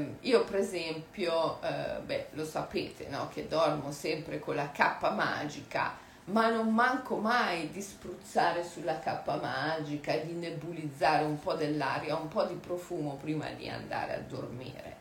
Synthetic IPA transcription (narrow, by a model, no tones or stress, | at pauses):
iːopɾezɛmpjobɛlosapeːt̪ʰḛnɔ̰k̟ʰed̪ɔrmosɛmpɾekolːakapːama̰ːd͡ʒika̰ | manːomːaŋkomajd̪ispɾut̪sːaːɾesulːakapːamad͡ʒikaed̪inːebulid̪zːaːɾeumpɔd̪elːa̰ɾjaumpɔd̪ipɾofuːmopɾiːma̰d̪ḭa̰nd̪a̰ːɾḛa̰d̪ːormḭːɾḛ